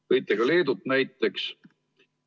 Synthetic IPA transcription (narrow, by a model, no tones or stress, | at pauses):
ɤjt̪ːˑeɡ̥ɑle̞ːd̪ut̪ːˑnæjt̪ːˑe̞ks